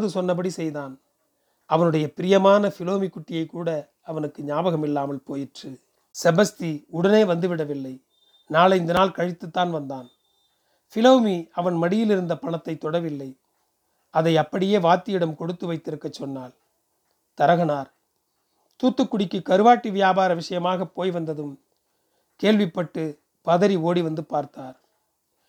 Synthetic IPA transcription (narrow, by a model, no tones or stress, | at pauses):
ðɯsɔnːɐp̬ɐɽisɛjðaːn | ɐʋɐnɯɽɐjɐpɪɾɪjɐmaːnɐfɪloːmikːʊʈːɪjɐɪkːuːɽɐː | ʋɐnɯkːɯɲaːbɐɣɐmɪlːaːmɐlpoːjɪʈrɯ | sɛbɐst̪iʊɽɐneːʋɐnd̪ɯʋɪɽɐʋɪlːɐɪ | naːlɐɪnd̪ɐnaːlkɐɻɪt̪ːɯt̪ːaːnʋɐnd̪aːn | fɪloːmiɐʋɐnmɐɽɪjɪlɪɾɯnd̪ɐpɐɳɐt̪ːɐɪt̪ːɔɽɐʋɪlːɐɪ | ɐðɐɪɐpːɐɽɪjeːʋaːt̪ːɪjɪɽɐmkɔɽɯt̪ːɯʋɐɪt̪ːɪɾɯkːɐt͡ʃːɔnːaːl | t̪ɐɾɐɣɐnaːɾ | t̪uːt̪ːɯkːʊɽɪkːɯkɐɾɯʋaːʈːiʋɪjaːbaːɾɐʋɪʂɐjɐmaːɣɐpːoːjʋɐnd̪ɐðɯm | keːɭʋɪpːɐʈːɯ | pɐðɐɾioːɽiʋɐnd̪ɯpaːɾt̪aːɾ